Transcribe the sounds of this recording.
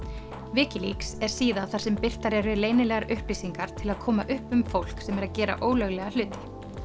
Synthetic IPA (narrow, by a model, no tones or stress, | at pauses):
vɪːcɪlḭksɛɾ̥siːðaθaɾ̥sɛmpɪr̥t̪aɾɛɾʏleːjnɪlɛːɣaɾʏhplisiŋkaɾ̥t̪ʰɪlaðkʰɔːma̰ʔʏhpʏmfowl̥ksɛmɛɾaðcɛːɾa̰ʔoːwlœɣlɛɣal̥ʏːt̪ɪ̥